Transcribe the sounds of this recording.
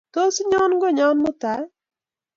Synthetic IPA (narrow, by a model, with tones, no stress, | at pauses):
to˦sɲɔ˦nɡɔ˦ɲɔ˦nmɔ˦t̪a˨˦j